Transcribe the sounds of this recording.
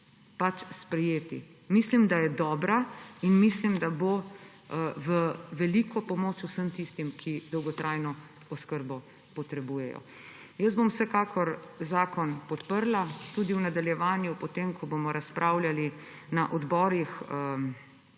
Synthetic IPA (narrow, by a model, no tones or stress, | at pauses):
pat͡ʃspɾɛjeːt̪ḭ | mislimd̪ajɛd̪ɔːbɾainmislimd̪abo | ʋəʋɛlikʰɔpɔmoːt͡ʃusəmt̪ist̪imkʰid̪ɔwɡɔt̪ɾajnɔ | ɔskəɾbɔ | pɔt̪ɾɛbuːjɛjɔ̰ | jəzbomwsɛkaːkʰɔɾzaːkɔnpɔt̪pəɾlat̪uːd̪iwnad̪aljɛʋaːnjupɔt̪emkʰɔbomɔɾaspɾʔaːwlali | naʔɔd̪bɔːɾix